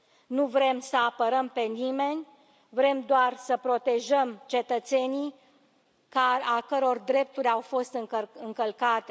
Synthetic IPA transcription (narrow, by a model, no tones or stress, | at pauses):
nuvɾe̞msəapəɾəmpe̞nime̞nʲ | vɾe̞md̪oarsəpɾo̞t̪e̞ʒəmt͡ʃe̞t̪ət̪se̞ni | kaakəɾo̞rd̪ɾe̞p̚t̪uɾʲawfo̞st̪ɨɨŋkəlkat̪e